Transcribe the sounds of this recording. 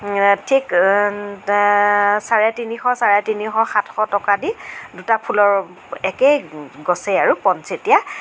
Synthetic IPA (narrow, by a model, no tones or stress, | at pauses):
tʰik | saɹɛtinixɔsaɹɛtinixɔxatʰxɔtɔkadidutapʰulɔɹ | ɛkeɡɔsejaɹupɔnsetija